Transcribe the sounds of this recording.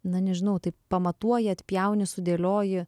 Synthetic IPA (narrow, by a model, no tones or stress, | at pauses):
nɐnʲɛʒʲɪnɐʊt̪ɐɪppɐmɐt̪uɔjɪɐt̪ʲpʲjɛʊnʲɪsʊd̪ʲeːlʲoːjɪ